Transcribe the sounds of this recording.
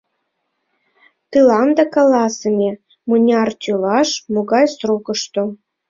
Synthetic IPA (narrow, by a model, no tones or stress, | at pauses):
t̪ɨlɑnd̪ɑkɑlɑsəmʲe | munʲɑrt̪ʲulɑʃmoɣɑjsrokəʃt̪o